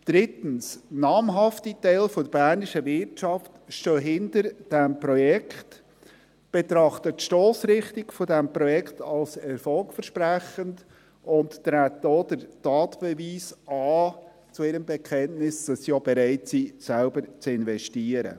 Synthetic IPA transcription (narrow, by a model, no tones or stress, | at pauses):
d̥ɾɪtən̩snɑːmɦɑftitɛɪlfɔdəbæːɾnɪʃəvɪɾtʃɑftʃtøːɦɪntəɾd̥ɛmprɔjɛkχt | b̥etɾɑχtətʃtoːsɾɪχtiɡfɔdɛmprɔjɛkχtɑlsɛɾfɔlkfəɾʃpræχənd | ʊntːɾæːtdod̥əɾtɑːtb̥ɛviːsɑː | t͡suɪɾəmbɛkʰɛntnɪsd̥ɑsːijobeɾæɪtsisælbəɾt͡sɪnvɛʃtiːəɾə̰